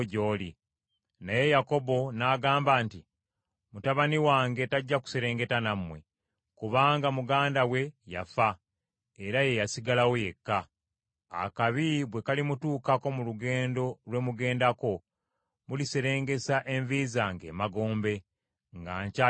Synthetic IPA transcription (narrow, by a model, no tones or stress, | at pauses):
ɟoːli | naje̞jako̞bo̞naːɡaːmbaːnti | mutaβaniwaːŋɡe̞taɟːaku̥se̞ɾe̞ːŋɡe̞tanamwe̞̰ | kuβaːŋɡamuɡaːndawe̞ja̰fa | eɾaje̞jasiɡalawoje̞kːa | a̰kaβiβwe̞kalimutuːkako̞muluɡe̞ːndo̞lwe̞ːmuɡe̞ːndako̞ | mulise̞ɾe̞ːŋɡe̞saʔe̞ɱvizaŋɡe̞̰ːmaɡo̞ːmbe̞ | ŋɡa̰ːɲca